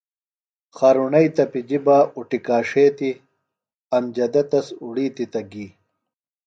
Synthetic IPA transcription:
xaːɾunɐjt̪ɐpid͡ʑibaːuʈikaːʂeːt̪i | ɐmd͡ʑɐd̪ɐt̪ɐsuɽiːt̪it̪ɐɡiː

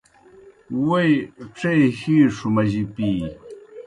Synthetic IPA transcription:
wajʈ͡ʂajhiʂʊmaʒɪpiː

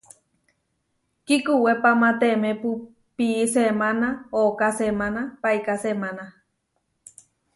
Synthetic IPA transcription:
kikuwepamãt̪emepu | pisemanaokasemanapaijkasemãna

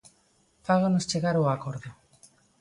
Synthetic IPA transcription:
faɣonost͡ʃeɣaɾoakoɾðo

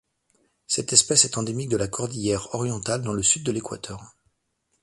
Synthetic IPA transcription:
sɛt̪ɛspɛsɛt̪ɑ̃d̪emik̚d̪əlakʰɔʁd̪ijɛʁɔʁjɑ̃t̪ald̪ɑ̃ləsyd̪̚ːəlekwa̰t̪ʰœːʁ

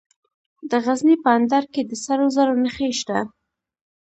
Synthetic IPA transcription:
d̪əɣaznipəand̪ɑɾked̪əsaɾozaɾonəxeʃt̪a

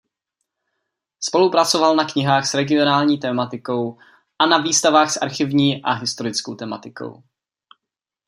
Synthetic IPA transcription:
spo̞lupɾat͡so̞valnakɲɪɦaːxsɾɛɡɪo̞naːlɲiːt̪ɛːmat̪ɪko̞w | ʔanaviːst̪avaːxsʔa̰ɾxɪvɲiːʔaɦɪst̪o̞ɾɪt͡sko̞wt̪ɛmat̪ɪko̰w

